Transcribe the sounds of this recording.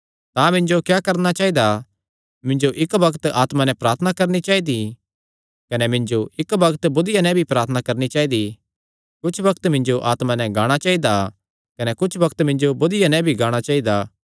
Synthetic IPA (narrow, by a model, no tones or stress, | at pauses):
t̪ãmɪ̃ɲd͡ʒokjaːkɐɾnat͡ʃaːid̪a | mɪ̃ɲd͡ʒoʔɪkbɐkt̪aːt̪mãnɛ̃pɾaːɾt̪ʰənakɐɾnit͡ʃaːid̪i | kɐnɛmɪ̃ɲd͡ʒoɪkbɐkt̪bʊd̪ɪjanɛ̃bʱipɾaːɾt̪ʰənakɐɾnit͡ʃaːid̪i | kʊt͡ʃʰbɐkt̪mɪ̃ɲd͡ʒoʔaːt̪mãnɛ̃ɡaːɽ̃at͡ʃaːid̪a | kɐnɛkʊt͡ʃʰbɐkt̪mɪ̃ɲd͡ʒobʊd̪ɪjanɛ̃bʱiɡãːɽ̃at͡ʃaːid̪a